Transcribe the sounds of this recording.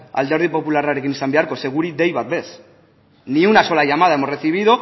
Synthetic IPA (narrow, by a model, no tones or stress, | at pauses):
a̰ld̪e̞ɾð̞ipo̞pularaɾe̞kinisambeaɾko̞se̞ɣ̞uɾid̪e̞jβat̪̚be̞s | niunaso̞laʝamað̞aemo̞sreθiβ̞iðo